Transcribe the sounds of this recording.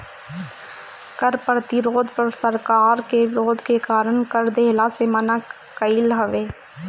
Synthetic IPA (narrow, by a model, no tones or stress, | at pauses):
kəɾpɾət̪ɪɾoːd̪pəɾsəɾkaːɾkeʋɪɾoːd̪ʱkekaːɾəɳkəɾd̪eːlaseməna | kəilɦəʋeː